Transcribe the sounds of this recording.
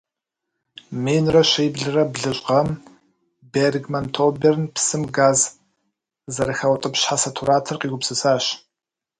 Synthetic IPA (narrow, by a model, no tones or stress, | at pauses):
meːnrɐɕejbɮɨrɐbɮɨɕʼqɐm | berɡmɐntʰoːbernpʰsɨmɡaːz | zɐɾɨxɐwtʼɨpɕħasɐtʰuɾaːtʰɐrqiːɡʷʊpsɨsaːɕ